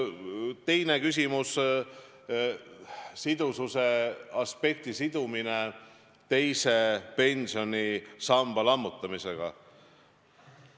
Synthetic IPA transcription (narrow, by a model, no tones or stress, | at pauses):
t̪e̞jne̞kys̬ʲimus | sid̪̥ususe̞ɑspe̞k̚t̪isid̪̥umine̞ | t̪e̞jse̞pe̞nʲsio̞nʲisɑmb̥ɑlɑmːut̪ːˑɑmise̞ɡ̥ɑ̰